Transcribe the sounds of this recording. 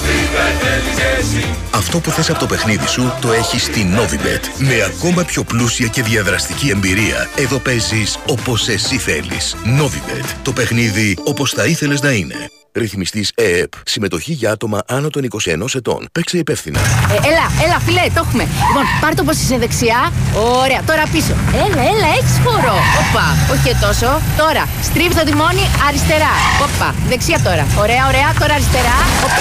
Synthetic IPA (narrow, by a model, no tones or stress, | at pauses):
ɐft̪o̞puθe̞sɐpo̞t̪o̞pe̞xniðisut̪o̞e̞çist̪ino̞vibḛt̪me̞ɐko̞mɐpço̞plusiɐce̞ðiɐðɾɐst̪icie̞mbiɾiɐ̰e̞ðo̞pe̞ziso̞po̞se̞siθe̞̰lḭsno̞vibe̞̰t̪t̪o̞pe̞xniðio̞po̞sθɐiθe̞le̞znɐine̞̰ | ɾiθmist̪iseepsime̞t̪o̞çiʝɐɐt̪o̞mɐʔɐno̞t̪o̞niko̞sie̞̰no̞se̞t̪o̞̰npe̞kse̞ipe̞fθinɐ̰elɐelɐfilet̪o̞xume̞lipo̞npɐɾit̪oposiseðeksiɐoɾe̞ɐt̪o̞ɾɐpiso̞̰elɐelɐeçi̥sxoɾo̞opːɐoçiet̪o̞so̞t̪o̞ɾɐ | st̪ɾivt̪ot̪imo̞niɐɾist̪e̞ɾɐopːɐ̰ðeksiɐt̪o̞ɾɐo̞ɾe̞ɐo̞ɾe̞ɐt̪o̞ɾɐɾist̪e̞ɾɐop